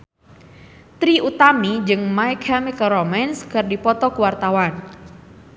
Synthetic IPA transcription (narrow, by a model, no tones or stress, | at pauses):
t̪ɾiʔut̪amid͡ʒɨŋmajkʰamikɾomanskɨrdipɔt̪ɔkəwart̪awan